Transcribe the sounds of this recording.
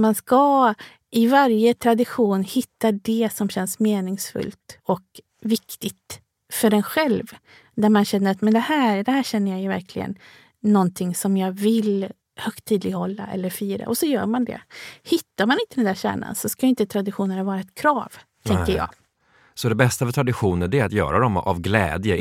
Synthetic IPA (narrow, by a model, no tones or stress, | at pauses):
manska | ɪvaɾjət̪ʰɾad̪ɪɧuːnhɪt̪ːad̪ɛsɔmɕɛnsmeːnɪŋsfɵ̰lt̪ɔk | vɪkt̪ɪt̪ | fœɖɛnɧɛlv | d̪æɾmanɕɛnːəɾat̪mɛnd̪ɛhæːɾd̪ɛhæːɕɛnːəjajɵvæ̰ɾkʰlɪɡə̰nː | ɔnt̪ʰɪŋsɔmjɑːɡvɪl | hœkt̪ʰːiːd̪lɪɡhɔlːa̰ʔɛ̰lːəɾfyːɾa̰ʔɔsɔjœ̰ːɾmand̪ɛ̰hɪt̪ːaɾmanɪnt̪əd̪ɛnd̪æːɾɕæ̰ːɳa̰nsɔskajɪnt̪ət̪ʰɾad̪ɪɧuːnənhavɑːɾaɛt̪kʰɾɑːv | t̪ʰɛŋkəɾjɑ̰ːɡ | sɔd̪ɛbɛst̪afœt̪ʰɾad̪ɪɧuːnəɖ̪ɛɾat̪jœ̰ːɾad̪ɔma̰vɡlɛ̰ːd̪jə